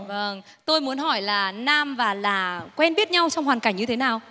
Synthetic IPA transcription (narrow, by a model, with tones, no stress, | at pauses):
və˧ŋ | t̪o˧jmu˨˦ənɦɔ˧˩jlaː˨˩naː˧mvaː˨˩laː˨˩kwɛ˧nɓi˦˥ət̚ɲa˧wt͡ɕɔ˧wŋ͡mhwaː˨˩nka˧˩jŋ̟ɲɨ˧t̪ʰe˨˦naː˨˩w